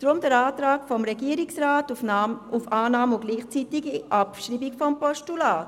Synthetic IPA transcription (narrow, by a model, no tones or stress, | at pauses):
d̥ɾʊmd̥əɾaːtɾaːkfɔmɾɛɡiəɾiksʁaːtufaːnaːmʊɡ̥liːχt͡siːtiɡiʔɑpʃɾiːbikfɔmpɔʃtulaːt